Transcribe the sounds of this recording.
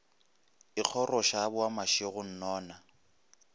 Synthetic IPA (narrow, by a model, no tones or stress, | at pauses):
ɪk͡xʰɔrɔʃabʊamaʃɪɣʊn̩nɔːna